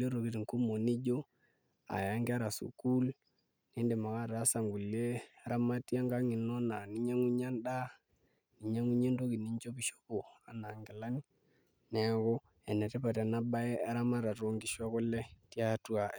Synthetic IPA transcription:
le˦ɾo˨ki˦tŋku˦mo˨ni˦d͡ʒo˦ | a̰˨ja˦ŋɡa˦ɾa˨sṵ˨ku˦l | ne˦nde˨ma˨ka˦ɾa˨˦sa˨ŋɡu˨le˦a˦ɾa˦ma˦ti˦a˦ŋɡa˦ŋi˨no˦na˨ni˦ɲa˦ŋu˦ɲa˦nda˦ | ni˨ɲa˦ŋu˦ɲe˦ndo˦ki˨ni˦ɲt͡ʃo˦pi˦ʃo̥˦po˨a̰˨na˨ŋɡɪ˨la˦ni˦ | nɛ˨ko˦ | ɛ˨nɛ˨te˦pa˨ta˨na˦ba˦e˦a˦ɾa˦ma˦ɾa˨to˨˦ŋɡi˦ʃwa˦ko˦le˦ti˦a˦twa˨

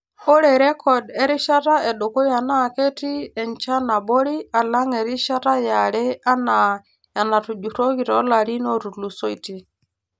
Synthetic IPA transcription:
o˦ɾɛ˨ɾɛ˦kʰɔ˨dɛ˦ɾi˦ʃa˦ta˦ɛ˨ɗo˨ko˦ja˨na˦˨ke˦ti˦ɛ˨ɲt͡ʃa˦na˨bo˦ɾi˦a˨la˦ŋɛ˨ɾi˦ʃa˦ta˦ja˨ɾɛ˦a˦na˨ | ja˨na˨tu˨d͡ʒu˨to˦ki˨tɔ˦la˨ɾi˦no˦tu˨lu˨so˦i˨ti˦

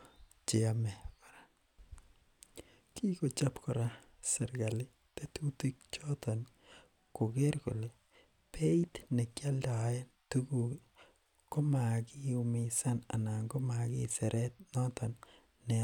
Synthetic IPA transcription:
t͡ʃe˨amɛ˨pa˨ɾa | ki˦ko˨t͡ʃa˦pkɔɾa˦ | sɛ˨ɾɡa˨li˦ | te˦tu˦ti˦k̚t͡ʃɔ˦tɔn | ko˨ke˦ɾkṵ˨le˨ | pʰe˦i˦tne˨kja˦lda˨e˦ntuɡu | ko˦ma˨ki˦umisa˦na̰˨na˨ŋɡo˦ma˨kisɛ˨ɾʔɛ˦t̚nɔ˦tɔnː | ɛ˨

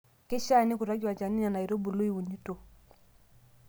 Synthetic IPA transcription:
kɪ˦ʃa˦˨nɪ˦ku˨ɾa˦d͡ʒwa˨t͡ʃa˨ni˦ɲa˨na˨i˨ɾo˦bu˨lu˦i˦˨wu˨ɲi˦to˨

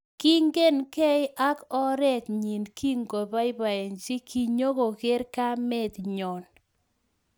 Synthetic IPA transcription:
ki˦ŋɡe˦nkɛ˦ɪ˦ʔa˦kɔ˦ɾɛ˦˨t̪ɲi˨nkʰi˦ŋɡo˨ba˦ɪ˦ba˨e˨nt͡ʃɪ˦kʰi˨ɲo˦ko˨kɪ˦ɾka˦mɛ˦t̪ɲɔ˨n

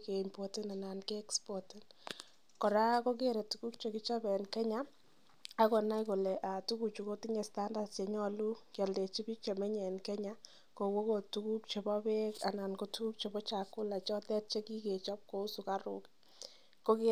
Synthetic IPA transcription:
ke˨impo˨tɪ˦na˨na˨nke˦ɛkspɔ˨tɪ˦n | kɔ˨ɾa˦ko˦k̬e˦ɾe˨tu˦ku˦k̚t͡ʃe˨ki˦t͡ʃɔ˦bɛ˨nkɛ˦ɲa˦ | a˦kɔ˨na˦jko˨lɛ˨ʔa˨tu˦ku˨t͡ʃu˨ko˦ti˦ɲɛ˨sta˦nda˨tt͡ʃe˨ɲɔ˦lu˦kja˨lde˨t͡ʃi˦bi˦k̚t͡ʃe˨mɛ˦ɲɛ˨nkɛ˦ɲa˦ | ko˨wo˦ko˨tu˨ku˦k̚t͡ʃe˨bɔ˦be˦ka˨na˨nko˦tu˦ku˦k̚t͡ʃe˨bɔ˦t͡ʃa˨kʊ˦la˨t͡ʃɔ˦tɛ˦t̚t͡ʃe˦ki˦ke˨t͡ʃɔ˦p̚ko˦u˦su˨ka˦ɾʊ̰˦k | ko˦ke

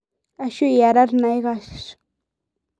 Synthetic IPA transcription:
a˧ʃu˦ja˨ɾa˦ɾna˨˧jɡa˧ʃʂ

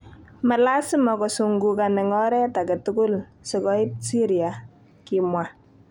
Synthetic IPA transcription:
ma˨la˦sɪ˦mɔ˨kɔsuŋɡukanɛ˨ŋɔɾɛ˦ta˨kɛ˨tukʊ˦lsɪ˨kɔɪ˦p̚si˦ɾia | kimwa

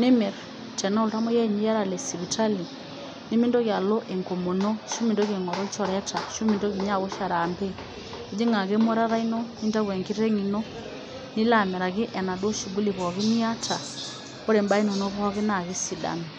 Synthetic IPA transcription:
ni˦mɛ˨ɾ | tɛ˨nɔ˦lta˦mɔ˦jɛ˦˨ɲi˦ja˦ɾa˨lɛ˨si˨βi˨ta˦li˨ | ni˦mi˦ndɔ˦kja˨lɔ˦ʔe˨ŋko˨mo˨no˦ʃu˦mi˨ndo˦ke˨ŋɔ˨ɾɔ˦t͡ʃɔ˨ɾɛ˦ta˨ʃu˦mi˨ndo˦ki˨ɲa˦˨βɔ˦ʃa˨ɾa˨mbɛ˦ | e˨˦d͡ʒi˦ŋa˨ke˦mɔ˦ɾa˦ɾa˦i˦nɔ˦ni˦nta˦kwɛ˨ŋki˦ɾɛ˦ŋi˨nɔ˦ | ni˦la˦˨mɛ˨ɾa˨kɪ˦ʔɛ˨na˨dɔ˦ʃu˨ɡu˦li˨βɔ˨ki˦ni˦a˦tʰa˨ | o˦ɾe˨mba˦i˦nɔ˨nɔ˦βɔ˦ki˦na˨ki˦si˨da̰˨ni˨

